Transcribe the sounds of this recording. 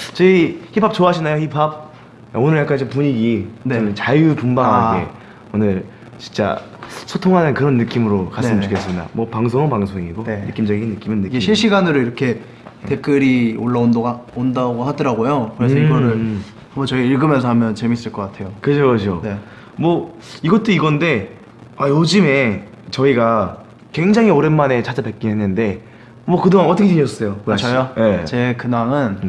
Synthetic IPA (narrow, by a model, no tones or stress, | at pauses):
t͡ɕʌiçipʰap̚t͡ɕoaɕʰinajoçipʰab̚ | onɯɭjak͈and͡ʑipuɲiɡineenɯnt͡ɕajupumbaŋaɡḛ | onɯɭ | t͡ɕi̥nt͡ɕ͈a̰sʰotʰoŋɦanɯnkɯɾʌnːɯk͈imɯɾokansɯmt͡ɕukʰes͈ɯmida̰mwʌpaŋs̬ʰoŋŋpaŋsʰoŋiɡoenɯk͈imd͡ʑʌɡinːɯk͈imɯnːɯkiɡeɕʰiɕ͈ʰiɡanɯɾoiɾʌkʰe̞ | te̞k͈ɯɾioɭːaondoɡaondaɡohadʌɾaɡojokɯɾe̞sʰʌiɡʌɾɯɭ | amʌt͡ɕʌiiɭɡɯmjʌnsʰʌhamjʌnt͡ɕe̞mis͈ɯɭk͈ʌk͈atʰe̞jokɯd͡ʑʰokɯd͡ʑone̞ | mwʌ | iɡʌt͈oiɡʌnde̞ | ajod͡ʑɯme̞ | t͡ɕʌiɡa | kwe̞ŋd͡ʑaŋɦioɾenːane̞t͡ɕad͡ʑapek͈inɦenːɯnde̞ | mwʌkɯdoŋanʌt͈ʰʌkʰeiɲjʌs͈ʌjoaɕʰajojet͡ɕe̞kɯnaŋɯn